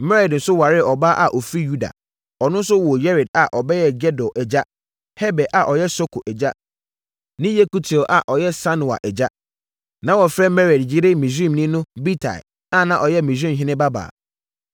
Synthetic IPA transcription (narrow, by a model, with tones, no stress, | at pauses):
mɛ˦ɾɛ˨dn̩˨sʊ˦wa˨ɾɪ˦˨ɔ˨ba˦ʔa˨ʔɔ˨fɾi˦ju˦da̰˨ | ɔ˨nʊ̃˦n̩˦s̬ʊ˦wɔ˨jɛ˦ɾɛ˨d̚a˨ʔɔ˨bɛ˦jɛ˦˨ɡɛ˦dɔ˨ʔɛ˨d͡ʑa˦ | hɛ˦bɛ˨ʔa˨ʔɔ˨jɛ˦sɔ˦kʰo˨ʔɛ˨d͡ʑa˦ | nɪ̃˦je˦ku˦tʰi˨ʔa̰˨ʔɔ˨jɛ˦sa˦nʊ˨a̰˨ʔɛ˨d͡ʑa˦ | nã˨˦wɔ˨fɾɛ˦mɛ˦ɾɛ˨dd͡ʑɪ˦ɾɪ˦mĩ˨s̬ĩ˦˨mnĩ˦nʊ̃˦bi˦tʰa̰˨ | ã˦˨nã˨ʔɔ˨jɛ˦mĩ˨s̬ĩ˦˨ɦɪ̃˦nɪ̃˦ba˦ba̰ː˨